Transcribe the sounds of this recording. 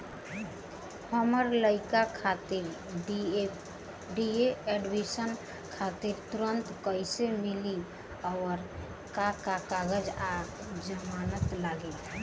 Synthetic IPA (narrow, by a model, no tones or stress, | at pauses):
həməɾləɪkakʰat̪iɾ | ɖi | ɖieɛɖwisən | kʰat̪iɾt̪uɾənt̪kəjsemili | ɔːɾ | kakakaɡəd͡ʒa | d͡ʒəmanət̪laɡe